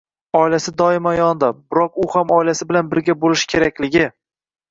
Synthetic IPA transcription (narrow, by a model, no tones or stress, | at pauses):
ɒɪlasɪd̪ɒɪmajɒnd̪abʊɾɒkʊhamɒjlasɪbɪlanbɪɾɡʲabolɪʃkʲʰe̞ɾakʲlɪɡʲɪ